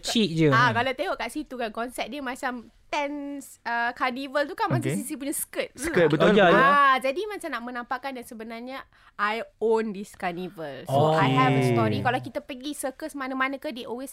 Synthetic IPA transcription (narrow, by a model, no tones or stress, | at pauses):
t͡ʃit̪̚d͡ʒəakalawt̪eɦoʔkaʔsit̪ukankɔnsɛp̚diəmat͡ʃam | t̪ɛns | əkanivəlt̪ukanmãt͡ʃasisipuɲaskət̪̚skət̪̚bət̪od͡ʒajaad͡ʒadimãt͡ʃamnaʔmə̃nãmpaʔkandansəbənarɲa | ajondiskanivəlsoajɦɛvəstɔɾikalawkit̪apəɡisəkəsmanãmanə̃kahdeʔɔlwes